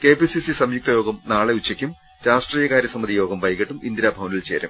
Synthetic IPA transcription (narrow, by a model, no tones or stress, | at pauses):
ke̞ːpisisisɐmjuk̚t̪ɐjo̞ːɡɐmnaːɭeut͡ɕːɐkʲːum | ɾaːʂʈriːjɐkaːɾjɐsɐmːɐðijo̞ːɡɐmʋɐjɣɐʈːumind̪iɾaːbʱɐʋɐnilt͡ɕḛːɾɐ̰m